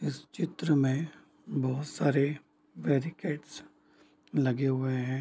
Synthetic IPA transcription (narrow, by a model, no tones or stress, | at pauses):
ɪst͡ʃɪt̪ɾəmẽ | bɔɦʊt̪saːɾe | ʋeːɾikeːʈs | lɐɡeɦʊeɦɛ̃ː